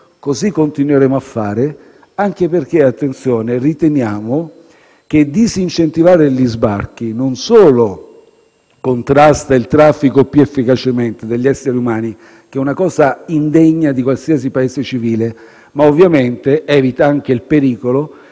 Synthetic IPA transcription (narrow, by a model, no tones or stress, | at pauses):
kozikːont̪inweɾeːmoafːaːɾe | aŋk̟eperk̟eat̪ːent̪sjɔːnerit̪enjaːmo | k̟ed̪izint͡ʃent̪ivaːɾeʎizba̰rk̟inonsoːlo | kont̪ɾast̪ailt̪ɾafːikopjuefːikat͡ʃement̪ed̪eʎːɛsːeɾiumaːni | k̟ɛunakɔːzaind̪eɲːad̪ikwalsias̬ipaeːszet͡ʃiviːle | maovːjament̪eʔɛːvit̪aaŋk̟eilpeɾiːkolo